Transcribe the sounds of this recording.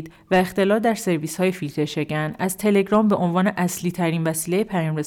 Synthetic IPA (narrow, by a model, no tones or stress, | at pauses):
d̪ | væe̞xt̪e̞lɒːld̪æɾse̞ɾviːshɒːje̞filt̪ʰeʃe̞ɟænæzt̪ʰe̞le̞ɡɾɒːmbe̞ʔo̞nvɒːne̞ʔæsliːt̪ʰæɾiːnvæsiːle̞jepʰæjɒːmɾe